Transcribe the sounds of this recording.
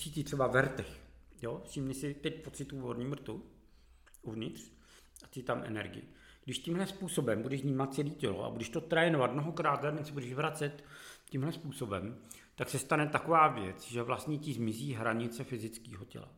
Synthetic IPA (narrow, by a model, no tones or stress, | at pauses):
t͡sitɪt̪r̥ɛbavɛɾt̪ɛxjosimɲɛsɪt̪ɛc̚pot͡sɪt̪uːvoɾɲiːmr̩t̪u | uvɲɪt̪r̝̥ | aɪt̪amʔɛ̰nɛ̰ɾɡɪ̰jɪ̰ | ɡ̥dɪʃcɪmɦlɛspuːso̞bɛmbudɛʒvɲiːmat̪̚t͡sɛliːcɛlo̰a̰budɛʃt̪o̞t̪ɾɛːnovat̪mnoɦokɾaːt̪ɡlɛdɛnsɛbudɛʒvɾat͡sɛt̪cːimlɛspuːso̞bɛm | t̪aksɛst̪anɛt̪akovaːvjɛ̰t͡sʒɛvlast̪ɲɛcɪzmɪziːɦɾaɲɪt͡sɛfɪzɪt͡skiːɦocɛ̰la̰